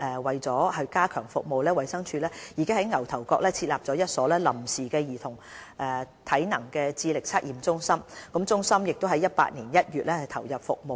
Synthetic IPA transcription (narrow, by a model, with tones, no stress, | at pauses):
ʔɛ˨˧wɐ˨jt͡sɔː˨˥ɦɐ˨˧kaː˥kʰœː˨˩ŋfʊ̰˨k̚mo˨wlɛː˥wɐ˨jsɐ˥ŋt͡ʃʰyː˧lɛː˥jiː˨kɪ˥ŋhɐ˨˥jŋɐ˨˩wt̪ʰɐ˨˩wkɔː˧k̚lɛː˥t͡sʰiː˧t̚laː˨p̚t͡sɔː˨˥jɐ˥t̚sɔː˨˥lɛː˥lɐ˨˩msiː˨˩kɛː˧jiː˨˩t̪ʰʊ˨˩ŋʔɛː˨ | t̪ʰɐ˨˥jnɐ˨˩ŋkɛː˧t͡siː˧lɪ˨k̚t͡sʰaː˥t̚ʔiː˨˩mt͡sʊ˥ŋsɐ˥mkʊ˨˥mt͡sʊ˥ŋsɐ˥mjɪ˨k̚t̪o˥wɦɐ˨˧jːɐ˥t̚pa̰ː˧t̚niː˨˩njɐ˥t̚jyː˨t̚lɛː˥hɐ˨t̪ʰɐ˨˩wjɐ˨p̚fʊ˨k̚mo˨w